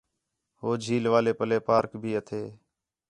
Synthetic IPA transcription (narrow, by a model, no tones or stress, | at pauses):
ɦoːd͡ʒʱiːlʋaːleːpəleːpaːɾkbʱiːət̪ʰeː